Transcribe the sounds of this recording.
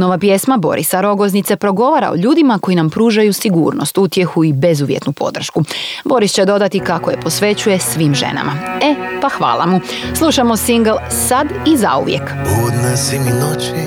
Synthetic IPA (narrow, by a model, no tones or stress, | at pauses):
noʋapje̞smabo̞̰ɾʔḭsaɾo̞ɡo̞znit̪se̞pɾo̞ɡo̞ʋaɾa̰o̰ʎuːd̪imako̞inampɾuːʒajusiɡṵːɾno̞̰st̪ut̪je̞xuibe̞zuʋjḛt̪nupʰo̞̰d̪r̩ʃkubo̞ɾist͡ɕe̞d̪o̞d̪at̪ikakoje̞po̞sʋe̞t͡ɕuje̞sʋiːmʒḛna̰maepaxʋa̰ːlˠa̰mu | slˠuʃamo̞siŋɡlˠ | sad̪iza̰ṵʋjek | od̪nasiŋnot͡ʃi